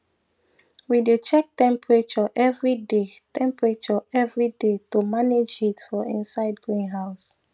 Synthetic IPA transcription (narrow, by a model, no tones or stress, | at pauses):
widet͡ʃɛk̚tɛ̃mpɹet͡ʃɔʔɛvɹidetʰɛ̃mpɹet͡ʃɔɛvɹidetumaned͡ʒitfɔḭ̃nsaɪdɡɹĩnɦaʊs